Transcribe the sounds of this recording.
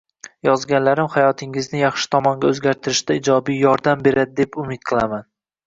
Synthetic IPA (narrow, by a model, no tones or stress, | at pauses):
jɒzɡʲanlaɾɪmhajɒt̪ʰɪŋɪznɪjɑχʃɪ̥t̪ʰɒmɒŋɡʲaɵzɡʲaɾt̪ʰɪɾɪʃt̪aɪd͡ʒɒbijjɒɾd̪ambe̞ɾad̪ɪd̪e̞pʊmɪt̪̚qʰɨlˠaman